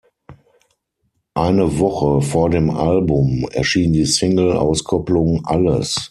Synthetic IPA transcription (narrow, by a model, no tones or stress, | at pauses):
ʔaɪnəvɔχəfoːɐdeːmʔa̰lbʊmɛ̰ɐʃiːndiːsɪŋl̩ʔa̰ʊskʰɔplʊŋʔa̰lə̰s